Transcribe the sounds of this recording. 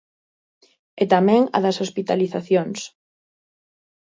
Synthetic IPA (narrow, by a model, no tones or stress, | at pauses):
et̪amɛ̃ŋɐ̰ðɐsospit̪aliθaθjoŋs